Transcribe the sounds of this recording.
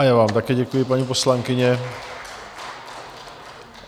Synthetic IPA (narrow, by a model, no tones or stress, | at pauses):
ajaːvaːmt̪akɛːɟɛkujɪpaɲiposlaŋkɪɲɛ